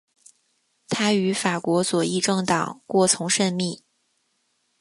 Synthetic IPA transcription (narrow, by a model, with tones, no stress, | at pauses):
t̪ʰa˥y˧˥fa˨˩kwɔ˧˥swɔ˨˩i˥˧ʈ͡ʂɤ˥˩ŋt̪ɑ˨˩˦ŋkwɔ˥˩t͡sʰʊ˧˥ŋʂə˥˧nmi˥˩